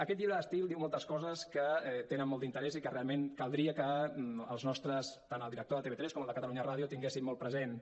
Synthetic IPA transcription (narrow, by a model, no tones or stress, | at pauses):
əkɛt̪̬ʎiβɾəðəst̪ilˠd̪iwmɔlˠt̪əskɔzəskəɛt̪enənmɔlˠd̪int̪əɾɛzikərealˠmenkəlˠd̪ɾiəkəəlˠznɔst̪ɾəst̪anəlˠd̪iɾək̚t̪oðət̪eβet̪ɾɛskɔməlˠd̪əkət̪əluɲəraðijut̪iŋɡesimmɔlˠpɾəzen